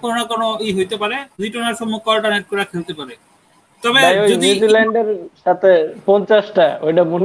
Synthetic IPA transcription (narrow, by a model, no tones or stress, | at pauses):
koɾnakɔnoejɦojt̪epaɾed̪ijʈɔnaɾʃɔmːukːɔlʈaneʈ̚kɔɾakʰelt̪epaɾe | t̪ɔbebajojonjuzilɛɳɖeɾʃat̪ʰepɔnt͡ɕasʈaojʈamun